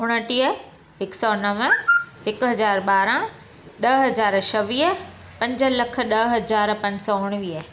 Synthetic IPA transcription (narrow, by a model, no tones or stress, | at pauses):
ʊɽ̃əʈiə | ɦɪksɔːnɐʋəhɪkʊɦɐzaːɾɓaːɾã | ɗɐɦɐzaːɾʃʰɐʋiːɦə | pɐ̃ɲd͡ʑə̆lɐkʰə̆ɗɐɦɐzaːɾpɐ̃ɲd͡ʑsɔːʊɽ̃ʋiːə